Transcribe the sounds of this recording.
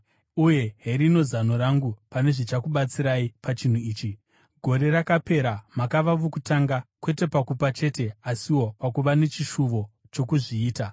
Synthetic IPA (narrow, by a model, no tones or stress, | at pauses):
uje̞ɦeɾino̞zano̞ɾaŋɡupane̞ʐit͡ʃakuɓat͡siɾaipat͡ʃin̤uiːt͡ʃi | ɡʱo̞ɾe̞ɾakape̞ɾamakaʋaʋokutaŋɡakwe̞te̞pakupat͡ʃe̞te̞asiwo̞pakuʋane̞t͡ʃiʃuʋo̞ | t͡ʃo̞kuʐiːta